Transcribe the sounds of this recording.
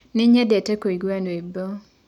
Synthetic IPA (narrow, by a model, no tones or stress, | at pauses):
nɪɲedetekoiɡwanebo